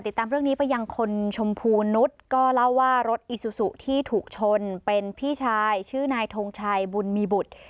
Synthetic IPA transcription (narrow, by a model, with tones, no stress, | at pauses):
t̪i˨˩t̪ːaː˧mɾɯ˥˩əŋniː˦˥pa˧jːa˧ŋkʰo˧nt͡ɕʰo˧mpʰuː˧nːu˦˥t̪̚kɔː˥˩la˥˩wːaː˥˩ɾo˦˥t̪̚ʔi˨˧˩su˧˩su˨˩t̪ʰiː˥˩t̪ʰuː˨˩k̚t͡ɕʰo˧npe˧npʰiː˥˩t͡ɕʰaː˧jt͡ɕʰɯː˥˩naː˧jt̪ʰoː˧ŋt͡ɕʰaː˧jbu˧nmiː˧bu˨˩t̪̚